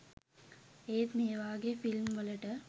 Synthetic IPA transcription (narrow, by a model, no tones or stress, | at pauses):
eːt̪meːʋaːɡefilmʋələʈə